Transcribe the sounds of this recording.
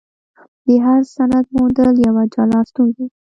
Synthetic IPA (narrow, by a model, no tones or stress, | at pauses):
d̪əɦaɾsanad̪̚mond̪əljawad͡ʒɑlɑst̪unki